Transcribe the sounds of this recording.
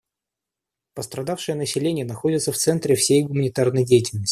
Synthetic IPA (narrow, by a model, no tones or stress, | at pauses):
pəst̪ɾɐd̪afʂɨjənəsʲɪlʲenʲɪjənɐxo̞dʲɪt̪səft̪sɛnt̪ɾʲɪfsʲejɡʊmənʲɪt̪arnəjdʲejɪtʲɪlʲnəsʲ